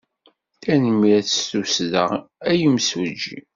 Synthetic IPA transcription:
θænəmɾæθst̪usðə̰ʁæjəmsud͡ʒːḭ

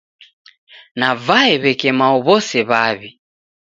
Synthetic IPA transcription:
navaɛβɛkɛmaɔβɔsɛβaβi

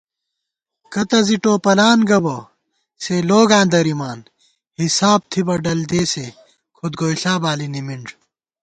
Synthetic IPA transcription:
kɐt̪ɐziʈoːpɐlaːnɡɐbɐ | seloːɡãːnd̪ɐɾimaːn | hisaːb̚t̪ʰibɐɖɐld̪eːse | kʰod̪ɡoːjɬaːbaːlinimiɳɖ

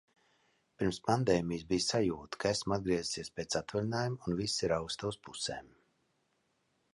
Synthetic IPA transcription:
piɾmspand̪ɛːmijsbijsajuːt̪kaæsmad̪̚ɡɾiɛzsiɛspʲeːt̪sat̪vaɾinaːjumunvisiɾawst̪auspuseːm

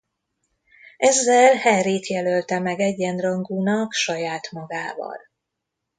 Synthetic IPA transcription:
ɛzːɛlhɛreːt̪jɛlølt̪ɛmɛɡɛɟːɛnrɒŋɡuːnɒkʃɒjaːt̪mɒɡaːvɒ̰l

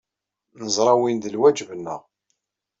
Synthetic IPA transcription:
nəzˤɾˤɑwind̪əlwæd͡ʒvənːə̰ʁ

